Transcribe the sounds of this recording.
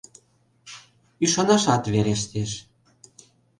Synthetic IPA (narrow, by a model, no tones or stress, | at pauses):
yʃɑnɑʃɑt̪βeɾeʃ̬t̪eʃ